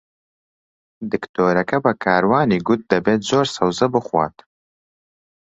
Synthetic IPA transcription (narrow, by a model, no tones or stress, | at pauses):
d̪ɨkt̪ʰoːɾɐkɐbɐkʰaːɾwaːniːɡʊt̪̚d̪ɐbeːt̪̚zoːɾsɐwzɐbɨχwʷa̰ːt̪